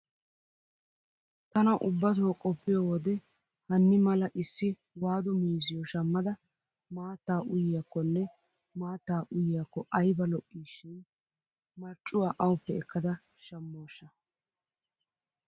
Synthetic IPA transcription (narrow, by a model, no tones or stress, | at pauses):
t̪ɐnɐʔʊbːɐt̪̬oːkʼɔpːɪjoːwɔd̪ɛ | hɐnːɪmɐlɐʔɪsːɪ | waːd̪ɔmiːs̬ɪjɔʃɐmːɐd̪ɐ | maːt̪ːaːʔʊjjakːɔnːɛ | maːt̪ːaːʔʊjjakːɔʔɐjbɐlɔkʼːiːʃːɪn | mɐɾt͡ʃʼːʊwaːʔɐwʊpːɛɛkːɐd̪ɐ | ʃɐmːo̞ːʃːɐ